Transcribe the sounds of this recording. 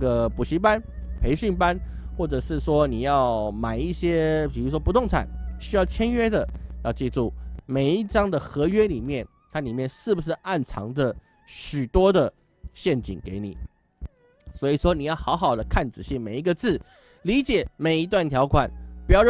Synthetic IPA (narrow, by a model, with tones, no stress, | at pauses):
ə˨pu˨˩ɕi˧˥pa˦npʰe˧˥ɪɕy˥˩npa˥n | xwɔ˥˩ʈ͡ʂɤ˨˩ʂɻ̩˥˩ʂwɔ˥ni˨˩jɑ˥˩ʊma˨˩ɪi˥˩ɕjɛ˥pi˨˩u˥ʂ̬wɔ˥pu˧t̪ʊ˥˨˩ŋt͡sʰa̰˨˩˦nɕy˥jɑ˥˩ʊt͡ɕʰjɛ˥nɥɛ˥d̪ə˨jɑ˥˧ʊt͡ɕjɛ˥˧ʈ͡ʂu˥˩me˨˩ɪi˥˩ʈ͡ʂɑ˥ŋd̪ə˨xɤ˧˥ɥɛ˥li˨˩mjɛ˥˩n | t̪ʰa˥li˨˩mjɛ˥˨nʂɻ̩˥˩bu˩ʂ̬ɻ̩˥˧a˥˩nt͡sʰɑ̰˧˥ŋd̪ə˨ | ɕy˨˩t̪wɔ˥d̪ə˨ | ɕjɛ˥˩nt͡ɕḭ˨˩ŋke˧˥ɪnḭ˨˩˦ | swɔ˧˥i˨˩ʂwɔ˥ni˨˩jɑ˥˩ʊxɑ˧˥ʊxɑ˨˩ʊd̪ə˦kʰa˥˩nt͡sɹ̩˨˩ɕi˥˩me˨˩ɪi˧˥ɡə˧t͡sɹ̩˥˩ | li˧˥t͡ɕjɛ˨˩˦me˨˩ɪi˧˥t̪wa˥˩nt̪ʰjɑ˧˥ʊkʰwa˨˩˦npu˧˥jɑ˥˧ʊ